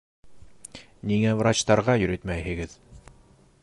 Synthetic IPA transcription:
niŋævrat͡ɕt̪ɑɾʁɑjɵ̆ɾɘt̪mæjhɘ̆ɡɘð

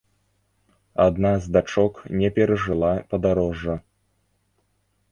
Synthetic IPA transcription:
ad̪nazd̪at͡ʂɔknʲɛpʲɛɾɐʐɨlˠapɐd̪aɾɔʐːɐ

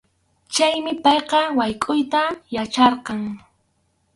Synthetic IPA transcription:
t͡ʃajmɪpɑjqɑwajkʼʊjt̪ajat͡ʃɑɾqɑŋ

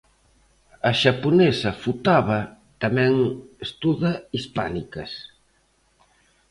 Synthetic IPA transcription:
ɐʃaponɛsɐfut̪aβɐ | t̪amɛ̃ŋest̪uðɐispanikɐ̰s

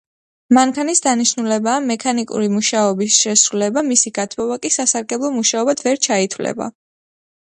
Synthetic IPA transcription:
maŋkʰanisd̪aniʃnulɛbaːmɛkʰanikʼṵɾimuʃaɔbisʃɛsɾulɛbamisiɡ̥at̪ʰmɔbakʼisasaɾɡɛblˠɔmuʃaɔbad̪ʰvɛɾt͡ʃʰait̪ʰwlɛ̰ba̰

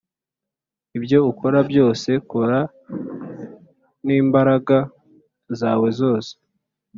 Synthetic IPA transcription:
ibjo̞uko̞ɾabjo̞ːse̞koɾa | niːmbaɾaɡa | zaːwe̞zo̞ːse̥

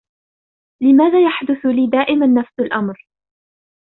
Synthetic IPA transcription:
lɪmaːðaːjaħd̪ʊθʊliːd̪aːʔɪmanːafsalʔamɾ

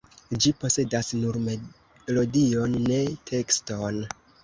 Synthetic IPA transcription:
d͡ʒipo̞se̞dasnuɾme | lo̞dio̞nːe̞tʰe̞kston

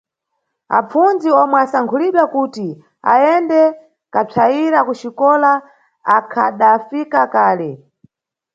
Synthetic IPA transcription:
a̰p͡funziɔmwɛasaŋkʰuliɓwakuti | a̰jɛndɛ | kap͡ʂʰaiɾakuʃikɔla | akʰa̰ɗafikakaːlɛ

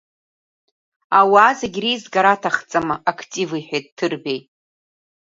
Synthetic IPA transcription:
awaːzaɡʲrejzɡaɾatʰaχt͡sʼamaʔakʰtʼiviħʷᶣejtʼtʰːɨrbejʼ

